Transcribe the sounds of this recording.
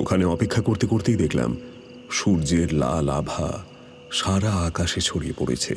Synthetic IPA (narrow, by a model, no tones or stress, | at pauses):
o̰kʰaneɔpekʰːakoɾt̪ekoɾt̪ejd̪ekʰla̰m | ʃuɾd͡ʑeɾla̰labʱa̰ | ʃaɾaakaʃet͡ɕʰoɽiepo̰ɽḛt͡ɕʰḛ